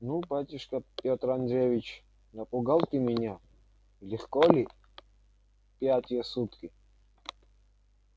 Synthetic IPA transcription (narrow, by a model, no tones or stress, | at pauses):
nubatʲɪʂkɐpʲɔt̪ɾand̪ɾʲevʲit͡ɕ | nɐpʼʊɡalˠt̪ɨmʲɪnʲa | lʲɪχkɔlʲi | pʲjatʲɪjəsut̪kɪ